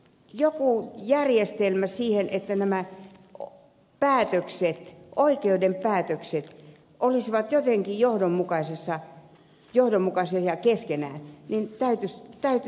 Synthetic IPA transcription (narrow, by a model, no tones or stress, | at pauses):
jokuˑjærjest̪elmæsiːhenʔet̪ːænæmæ | pæːt̪økset̪oikeudempæːt̪økset̪ | ʔolisiʋɑt̪jot̪eŋkijohdommukɑisesːɑ | johdomːukɑsiɑjɑkeskenæ̰ˑːnnint̪æyt̪yst̪æyt̪